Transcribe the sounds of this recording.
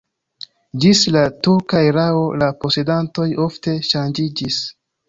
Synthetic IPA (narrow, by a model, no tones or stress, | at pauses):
d͡ʒislatuɾkaiɾao̞lapo̞se̞danto̞jo̞fte̞ʃand͡ʒid͡ʒis